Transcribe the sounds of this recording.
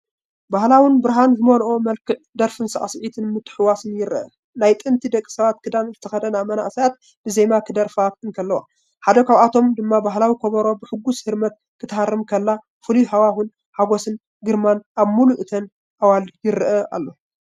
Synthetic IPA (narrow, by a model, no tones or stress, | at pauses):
bahlawinbɨɾɦanzɨmolʔo̞mɐlkʰɨʕd̪ɐɾfɨnsɐ̰ʔasʕit̪ʰɨnmɨt̪ːɨ̥ħɨwasɨnjɪɾʔɐ | najt̪ʼɨnt̪ʰid̪ɐkʼːi̥sɐβat̪kʰɨd̪anzɨt̪ʰɐxɐd̪ɐnaβmɐna̰ʔsajat̪̚ | bɨzemakʰɨd̪ɐɾfat̪ɨnkʰɐlːɐwa̰ | ħad̪ɐkaβat̪ʰo̞md̪ɨmːabaɦlawikʰoβɐɾo̞bɨħɨɡːushɨɾmɐt̪ | kʰɨt̪ʰɐhaɾɨmkʰɐlːa | fɨliɦawahun | haɡosɨn | ɡɨɾmanʔaβmuluʔɨt̪ʰɐn | ʔawaljɪɾɨʔɐʔa̰lːo̞